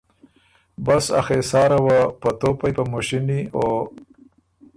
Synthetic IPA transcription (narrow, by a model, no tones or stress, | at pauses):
basa̰xesɑːɾawapɐt̪opajpamoʃinio